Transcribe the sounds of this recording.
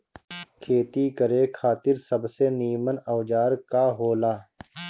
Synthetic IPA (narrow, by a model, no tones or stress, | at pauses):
kʰeːt̪iːkəɾeːkʰaːt̪ɪɾsəbseːniːmənəːd͡ʒaːɾkaːɦoːlaː